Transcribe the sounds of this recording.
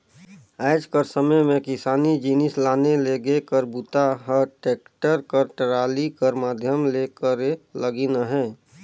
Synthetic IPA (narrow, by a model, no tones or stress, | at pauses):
aːd͡ʒkəɾsəməjmẽkɪsaːnid͡ʒinɪslaːneleɡekəɾbut̪aɦəʈeːk̚ʈəɾkəɾʈəɾaːlikəɾmaːd̪ʱjəmlekəɾeləɡinəɦɛ̃ː